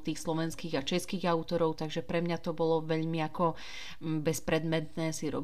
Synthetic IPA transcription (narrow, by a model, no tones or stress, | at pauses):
t̪iːxslɔʋɛnskiːɣat͡ʃɛskiːɣaʊt̪ɔɾɔʊt̪aɡʒɛpɾɛmɲat̪ɔbɔlɔʋɛʎmiakɔ | bɛspɾɛd̪mɛt̪nɛːsiɾɔ̰